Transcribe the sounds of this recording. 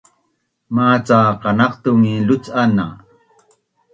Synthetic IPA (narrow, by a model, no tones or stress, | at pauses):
maːt͡saqɑnɑqt̪umilʊt͡sʔana̰